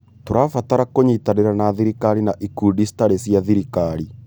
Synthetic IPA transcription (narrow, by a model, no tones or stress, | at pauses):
toɾafataɾakoɲitaneɾanaðiɾikaɾinaʔikudisi̥taɾesjaðiɾikaɾi